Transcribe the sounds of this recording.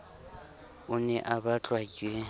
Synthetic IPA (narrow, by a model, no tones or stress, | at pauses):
ʊnɛʔabat͡ɬʼwakʼe